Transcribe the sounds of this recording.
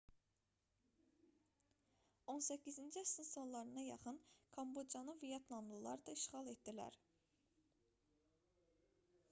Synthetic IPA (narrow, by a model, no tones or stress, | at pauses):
o̞nsæcʰːizind͡ʒiæsinso̞nlˠɑɾɯnɑjɑχɯnkʰɑmbo̞d͡ʒɑnɯvijɑt̪lˠɑmlˠɯlˠɑ̰ɾɯd̪ɑiʃχɑlˠet̪̚d̪ilæ̰ɾ